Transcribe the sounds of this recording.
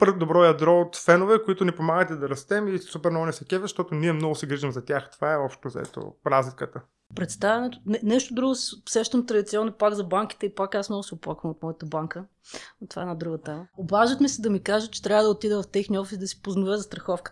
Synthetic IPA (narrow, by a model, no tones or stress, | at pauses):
pəɾd̪obɾɔjɐd̪ɾɔot̪fɛnovɛkoit̪ʊnipomaɡət̪ɛd̪ɐɾɐst̪ɛmisupɛɾnɔɡʊnɛsɛkʲɛvɛʃt̪ɔt̪ʊniɛmnɔɡʊsɛɡɾiʒimzɐt̪ʲaxt̪ovaɛɔpʃt̪ozɐ̰ɛ̰t̪o̰ɾazlikət̪ə | pɾɛt̪st̪avɛnɛt̪ʊ̥nɛnɛʃt̪od̪ɾuɡʊssɛʃt̪əmt̪ɾɐd̪it̪siɔnːopaɡ̪zɐbaŋkʲi̥t̪ɛipakasmnɔɡʊsiʊpwˠakvəmot̪mɔjət̪əbaŋkə | t̪ova̰ɛnɐd̪ɾuɡət̪ɛməobaʒət̪misɛd̪ɐmikaʒət͡ʃɛ̥t̪ɾʲavəd̪ɐot̪id̪ɛvɐft̪ɛxniɔfisd̪ɐsi̥poznʊvɛzɐst̪ɾɐxɔfkə̥t̪